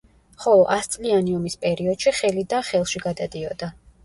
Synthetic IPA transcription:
χɔlˠɔʔast̪sʼlianiɔmispʼɛɾiɔd̪̥ʃiχɛlid̪aχɛlˠʃiɡad̪ad̪iɔd̪a

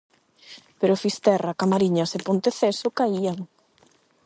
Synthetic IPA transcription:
peɾofist̪ɛrakamaɾiɲasepont̪eθɛsokaiaŋ

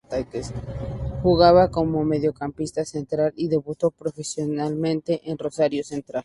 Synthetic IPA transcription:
t̪ajkesxuɣaβako̞mo̞me̞ð̞jo̞kampist̪ase̞nt̪ɾaliðe̞βut̪opɾo̞fe̞sjonalmẽnt̪e̞ʔenro̞saɾjose̞nt̪ɾal

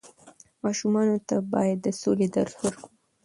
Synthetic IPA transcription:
mɑʃumɑnot̪abɑjad̪ːəsoled̪aɾhoɾku

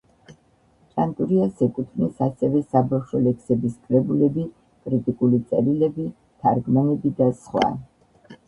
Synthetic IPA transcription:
t͡ʃʼant̪ʼuɾiasɛkʼut̪ʰvnɛsasɛvɛsabafʃɔlɛkʰsɛbiskʼɾɛbulɛbi | kʼɾit̪ʼikʼulit̪sʼɛɾilɛbi | t̪ʰaɾɡmɔnɛbid̪asχwa̰

